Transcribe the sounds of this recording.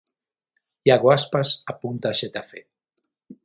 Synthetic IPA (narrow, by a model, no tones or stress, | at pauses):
jaɣwaspasapunt̪aːʃet̪afe